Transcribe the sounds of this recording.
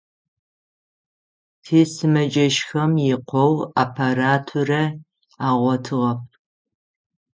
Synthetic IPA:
tʰeːsɨmɐd͡ʒʼɐʃxɐmjɪqʷɔwaːpʰaɾaːtʰurɐ | aːʁʷɔtʰɨʁɐp̚ʰ

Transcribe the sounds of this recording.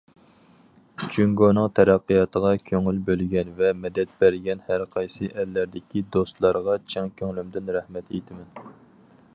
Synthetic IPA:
t͡ʃʰyŋɡonɨŋt̪ʰɛɾæqːijɑːt̪ʰəʁɑkʲʰøŋylbølɡʲɛnvɛmɛd̪ɛt̪̚bæɾɡʲɛnhæɾqʰɑjsɨʔɛlːæɾd̪ɪkʲid̪ost̪lˠɑɾʁɑt͡ʃʰɛŋkʲʰøŋlymd̪ɪnɾɛhmɛt̪ejt̪ʰɪmɛn

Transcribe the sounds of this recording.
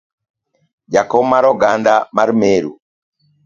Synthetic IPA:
d͡ʒakɔmaɾɔɡandamaɾmeɾṵ

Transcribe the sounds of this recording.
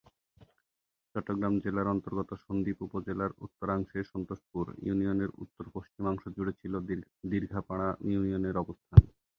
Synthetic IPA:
t͡ɕɔʈːoɡɾamd͡ʑelaɾɔnt̪oɾɡɔt̪oʃond̪ipupod͡ʑelaɾṵt̪ːoɾaŋʃeʃɔnt̪oʃpuɾjṵnioneɾṵt̪ːoɾpoʃt͡ɕimɔŋʃod͡ʑuɽet͡ɕʰilod̪iɾɡʱapaɽ̃aiunijoneɾɔbost̪ʰan

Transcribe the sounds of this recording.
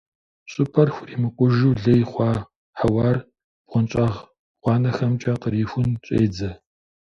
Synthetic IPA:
ɕʼʊpʰɐrxʷʊriːmɨkʷʼʊʒuwɮɐjχʷɑː | ħawɑːr | b̥ʁʷʊnt͡ʃʼɑʁ | ʁʷɑːnɐxɐmt͡ʃʼɐqəɾiːxʷʊnt͡ʃʷʼḛːd͡zɐ

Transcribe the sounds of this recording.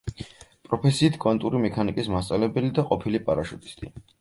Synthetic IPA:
pʼɾɔpʰɛsiːt̪ʰkʼɔnt̪ʼuɾimɛkʰanikʼismast̪sʼalɛbɛlid̪aqʼɔpʰilipʼaɾaʃut̪ʼi̥st̪ʼḭ

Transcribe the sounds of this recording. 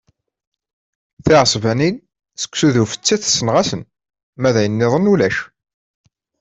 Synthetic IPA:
θiʕəsˤvænin | sə̥kʷːsuðufə̥t͡sːæθsːənʁæsən | mæðæjənːɪðˤənulæʃ

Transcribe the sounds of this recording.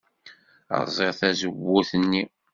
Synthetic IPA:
ə̰ɾˤzˤeʁθæzəwːʊθnːi

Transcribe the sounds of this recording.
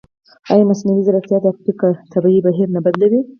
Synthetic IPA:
ɑjamasnawizaɾaqt̪jɑd̪fpikat̪ʰabaibaɦiɾnabad̪lawi

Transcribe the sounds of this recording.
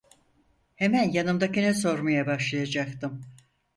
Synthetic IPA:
hemænjanɯmd̪akinɛso̞ɾmajabaʃlˠajad͡ʒak̚t̪ɯm

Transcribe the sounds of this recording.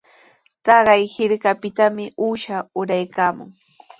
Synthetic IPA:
t̪ɑɢɑjhɪɾkapɪt̪amɪuːʃaʊɾajkaːmʊ̰ŋ

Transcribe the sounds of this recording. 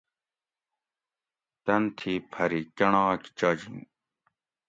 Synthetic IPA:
t̪ɐnt̪ʰipʰɐɾikɐɳãːki̥t͡ɕaːd͡ʑin

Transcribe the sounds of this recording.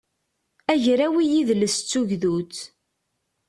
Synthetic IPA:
æʝɾæwijiðləst͡sːuʝðut͡sː

